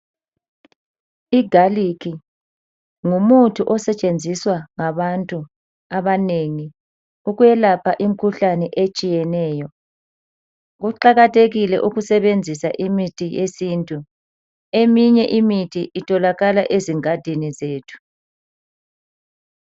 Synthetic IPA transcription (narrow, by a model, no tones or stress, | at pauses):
iɡʱalikʰi | ŋumutʰuʔɔsɛt͡ʃʼend͡zʱiswaŋaβantʼu | aβaneŋi | uɣujɛlapʰaʔim̩kʰuɬanɛʔet͡ʃʼijɛnɛːjɔ | ɣuǃaɣatʰʼeɣilɛʔuɣusɛβend͡zʱisaʔimitʼʰijesintʼu | emiɲɛʔimitʰiʔitʰʼɔlaɣalaʔeziŋad̥ʱinizeːtʰu̥